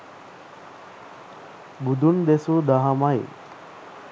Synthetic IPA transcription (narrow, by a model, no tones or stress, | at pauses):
bud̪ʱund̪esud̪aɦamaj